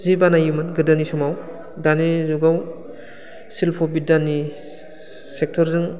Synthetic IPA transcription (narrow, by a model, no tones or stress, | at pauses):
zibanajumɯnɡɯdanisɔmaw | danezuɡaw | silpʰɔbidanːi | sek̚tʰɔɾzɯŋ